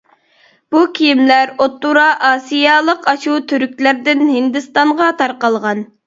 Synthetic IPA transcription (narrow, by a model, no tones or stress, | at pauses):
b̥ukʲʰijimlæɾot̪ːuɾɑʔɑːsijɑlˠəqɑʃut̪ʰyɾykʲlæɾd̪ɪnhɪnd̪ɨst̪ɑɴʁɑt̪ʰɑɾqɑlˠʁɑn